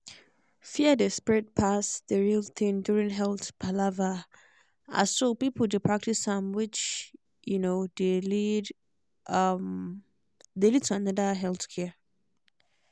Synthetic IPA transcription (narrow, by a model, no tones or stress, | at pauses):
fiadespɹɪt̚pʰasdəɹilt̪ʰɪ̃ŋduɹĩŋɦɛlθbʰalava | a̰sopipʰl̩ˠdepʰɹ̥ak̚tʰisãmwɪt͡ʃ | junodelid | ʌm | delid̚tʰuanʌdəɦɛlθkʰɛ